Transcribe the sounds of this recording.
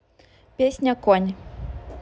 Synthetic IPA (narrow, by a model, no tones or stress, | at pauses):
pʲesʲnʲɐkɔnʲ